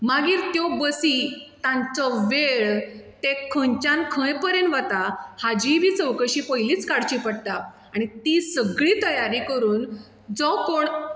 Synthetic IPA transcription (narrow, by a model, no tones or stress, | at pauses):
maɡiːɾt̪jɔbəsit̪ãnt͡sɔʋeɭt̪ekʰə̃ɲt͡ɕãnkʰə̃jpəɾẽnʋat̪ahad͡ʑiʋiːt͡səʋkəɕiːpəjliːt͡skaɽt͡ɕiːpəɽt̪a | aɽ̃it̪isəɡɭiːt̪əjaɾikəɾuːn | d͡zɔkoɳ